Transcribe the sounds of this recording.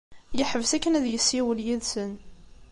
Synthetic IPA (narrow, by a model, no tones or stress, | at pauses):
jəħəvsækːənæðjəsːiwəljiðsən